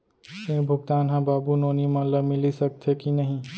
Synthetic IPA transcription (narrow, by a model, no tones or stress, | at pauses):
sẽbʱʊɡt̪aːnɦãbaːbunoːnimɐləmɪlisɐk̚t̪ʰɦekinɐɦĩ